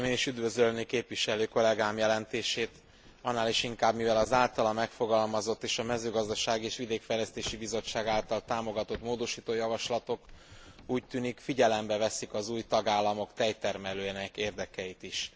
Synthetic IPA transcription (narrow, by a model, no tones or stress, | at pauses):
meːniʃyd̪vø̞zølnikeːpvʋiʃɛløːko̞lɛɡaːmjɛlɛnt̪eːʃeːt̪ | ɒnːaːliʃiŋkaːbmivɛlɒzaːlt̪ɒlɒmɛkfo̞ɡɒlmɒzo̞t̪ːeːʃɒmɛzøːɡɒzd̪ɒʃaːɡieːʃʋid̪eːkfɛjlɛst̪eːʃibizo̞t͡ʃːaːɡaːlt̪ɒlt̪aːmo̞ɡɒt̪o̞t̪moːd̪o̞ʃiːt̪oːjɒvɒʃlɒt̪o̞k | uːct̪yːnikfiɟɛlɛmbɛvɛsikɒzuːjt̪ɒɡaːlːɒmo̞kt̪ɛjt̪ɛrmɛløːnɛkeːrd̪ɛkɛjit̪iʃ